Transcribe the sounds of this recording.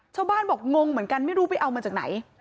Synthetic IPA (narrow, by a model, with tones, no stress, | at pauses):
t͡ɕʰaː˥˩wbaː˥˩nbɔː˨˩k̚ŋo˧ŋmɯ˩˦ənka˧nma˥˩jɾuː˦˥pa˨˩jʔa˧wmaː˧t͡ɕaː˨˩k̚na̰˩˦j